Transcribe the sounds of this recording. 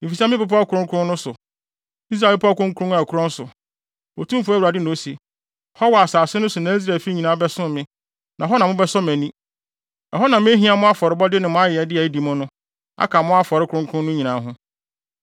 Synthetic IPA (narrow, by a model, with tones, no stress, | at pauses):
i˨fi˨sa˦m˦ɪ̃˦pʊ˨p̬ʰɔ˦kʰʊ˨ɾʊ̃˦ŋkʰʊ˦ɾʊ̃˦nʊ̃˦sʊ˨ | i˦s̬ɾa˨pʰɔ˦kʊ̃˦ŋ˦kʰɾʊ̃˦a˨kʰʊ˦ɾʊ̃˦n˦sʊ̰˨ | o˨tʰũ˦m˦fæ˦wu˨ɾa˨dɪ˦nʊ̃˨o˦si˨e˨ | hɔ˦wɔ˨a˨saː˨sɪ˦nʊ̃˦sʊ˨nã˨˦i˦s̬ɾa˨fi˦ɲi˨nã˨˦bɛ˦sʊ̃˦mmɪ̃˦ | nã˨ɦɔ˦nã˨mʊ̃˦bɛ˦sɔ˦mæ̃˨nĩ˦ | ɛ˨ɦɔ˦nã˨mʊ̃˦e˦ɦĩ˨˦a˨mʊ̃˦a˦fɔ˨ɾɪ˦bɔ˦dɪ˦nɪ̃˨mʊ̃˦a˦jɪ˨ɛ˨dɪ˦ɛ˨˦di˨mʊ̃˦nʊ̃˦ | a̰˦kʰa˨mʊ̃˦a˦fɔ˨ɾɪ˦kʰʊ˨ɾʊ̃˦ŋkʰʊ̃˦nʊ̃˦ɲĩ˨nã˨˦ɦʊ̃˦